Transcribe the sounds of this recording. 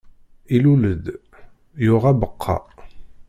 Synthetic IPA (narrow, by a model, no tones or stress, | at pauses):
iluləd̪ | jʊʁæbəqʰːɑ̰